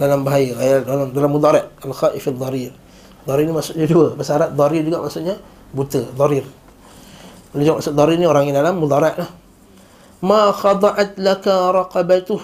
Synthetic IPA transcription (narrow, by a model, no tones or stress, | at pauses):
dalambaɦajaajadolɔŋdalamːud̪aɾaʔalxaːʔɪfad̪ˤːɑɾir | d̪ˤɔɾirnimaʔsʊʔɲaduəbəsaɾaʔ̪̚d̪ˤɑɾird͡ʒuɡaʔmaʔsuʔɲa | but̪əd̪ˤɔɾir | bəld͡ʒamasʊʔd̪ˤɔɾirnioɾaŋjadalamːud̪aɾaʔlah | maxɑd̪ˤɑʔat̪lakaɾˤɑqɑbat̪ʊh